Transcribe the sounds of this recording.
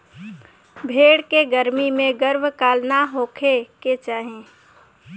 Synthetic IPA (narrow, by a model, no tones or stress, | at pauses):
bʱeːɽkeɡəɾmimẽɡəɾbʱkaːlnaɦoːkʰeket͡ʃaːɦẽː